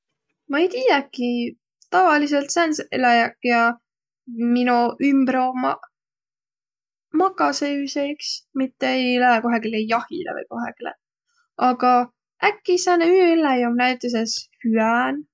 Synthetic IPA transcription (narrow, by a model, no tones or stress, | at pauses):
mɑejt̪iːjækːˑi | t̪ɑvɑliselt̪senselɑjɑkːjɑ | minuʔymbɾo̞m | mɑkːˑɑseysejksmit̪ːeejlæeko̞ɦekilejɑhḭlḛvɤ̰jko̞ɦekilḛ | ʔɑɡ̥ɑ | ækːisɑneylæjomnæjt̪ːˑes̬eshyæn